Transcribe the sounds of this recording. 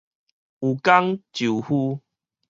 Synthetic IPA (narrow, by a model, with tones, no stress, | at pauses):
u˨ka˦ŋt͡ɕu˨˩hu˦